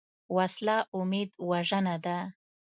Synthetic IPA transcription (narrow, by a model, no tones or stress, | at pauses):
waslɑʔʊmed̪waʐənad̪a